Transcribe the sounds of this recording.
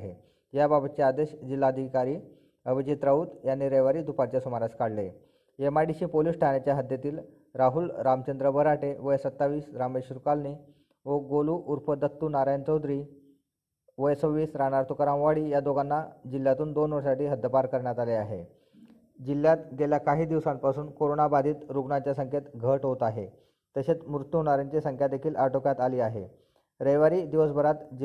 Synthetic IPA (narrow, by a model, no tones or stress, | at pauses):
ḛ | jababət͡ɕead̪eɕd͡ʑilːaəd̪ʱikaɾiː | əʋit͡ɕit̪ɾauːt̪janːiɾeʋaɾiːd̪upat͡ɕasumaɾaskaɽle | emaɖiɕiːpoliːsʈʰanet͡ɕjaɦəd̪ʱjat̪iːl | ɾaɦulɾamt͡ɕənd̪ɾəbʱəɾaʈeʋəjsət̪ːaʋiːsɾameɕɾukalniː | ʋoɡoluʔuɾpəd̪ət̪ːuːnaɾajnt͡ɕəwd̪ɾiː | ʋəjsəʋiːsɾanaɾt̪ukaɾãʋʋaɽiːjad̪oɡanːad͡ʑilːjat̪uːnd̪onʋəɾsaʈiːɦəd̪əpaɾkəɾɳjat̪aleaɦḛ | d͡ʑilːjat̪ɡeljakaɦiːd̪iʋsampasuːnkoɾonabad̪ʱiːt̪ɾuɡɳat͡ɕjasəŋkʰet̪ɡʱəʈɦot̪aɦe | t̪əɕet͡smɾut̪juɦnɽ̃aɾjaɲt͡ɕesəŋkʰjat̪d̪ekʰiːlʔaʈokjat̪aliːaɦḛ | ɾəjʋaɾiːd̪iʋəsbʱəɾat̪